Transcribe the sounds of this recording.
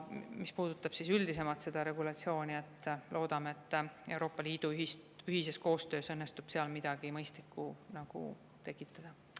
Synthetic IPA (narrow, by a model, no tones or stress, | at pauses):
mispuːd̪̥ut̪ːˑɑb̥sisyld̪is̬e̞mɑt̪se̞d̪̥ɑɾe̞ɡ̥ulɑt̪sio̞ːnʲiet̪ːˑlʔo̞ːd̪̥ɑmeet̪ːˑe̞wɾo̞ːpːˑɑliːd̪̥uyɦisyɦise̞sko̞ːst̪ø̞ːsɤnːest̪ub̥seɑlmid̪̥ɑɡ̥imɤjst̪likːunɑɡ̥ṵ | t̪e̞kːˑit̪ːˑɑd̪̥ɑ